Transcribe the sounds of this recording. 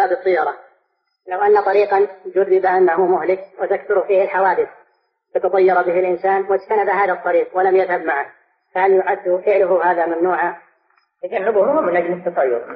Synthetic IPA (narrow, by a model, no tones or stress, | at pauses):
abɨt̪ˤːɨjːɑɾˤɑ | lawʔanːat̪ˤɑɾiːqɑd͡ʒʊɾbɪbaʔanːaɦʊmʊhlɪkwɪt̪akθʊɾˤfiːhɪlħawaːd̪ɪθ | bɪt̪ɑt̪ˤɑjːɑɾˤɑbɪɦɪlʔɪnsaːnwɪd͡ʒt̪anabaɦaːðat̪ˤːɑɾiːqwɪlamjaðhabmaʕak | fahaljʊʕad̪ːʊfɪʕlʊɦʊɦaːðamamnuːʕa | t̪ad͡ʒanːɪbʊhmʊmɪnʔad͡ʒlɪt̪ːɑt̪ˤɑjːʊ̰ɾˤ